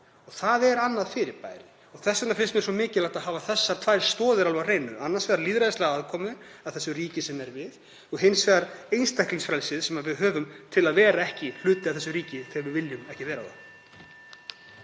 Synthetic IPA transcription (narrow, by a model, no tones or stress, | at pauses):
ɔɣθaðɛɾanːaðfɪɾɪɾpa̰ːjɾɪ | ɔɣθɛsɛnaflɪnstmɛsɔmɪːcɪlajht̪aðɦaːvaθɛsːaɾt̪ʰvaːjɾ̥st̪ɔːðʏɾalvareːjnʏanːaɾsvɛːðaɾliːðɾaðɪst̪ɛɣaaðkʰɔːmʏ | aðθɛsːʏriːcɪsɛmɛɾvɪð | ɔɣɦɪnsvɛːðaɾejnst̪ajhkliŋsfɾɛlsɪðsɛmaðvɪðɦœːvʏmt̪ʰɪlaðvɛːɾaɛhcɪl̥ʏːt̪ɪavθɛsːʏɾiːcɪθɪːɣaɾvɪðvɪljʏmɛhcɪvɛːɾaða̰m